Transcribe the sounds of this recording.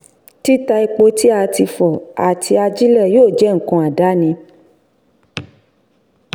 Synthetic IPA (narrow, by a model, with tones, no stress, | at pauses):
ti˦ta˧i˧k͡po˧ti˦a˧ti˧fɔ˨a̰˨tʰi˧a˧d͡ʒi˦lɛ˦˨joː˦˨d͡ʒɛ˨˦ŋ̩˨kɔ̃˨˧a˨da˨˦nĩ˧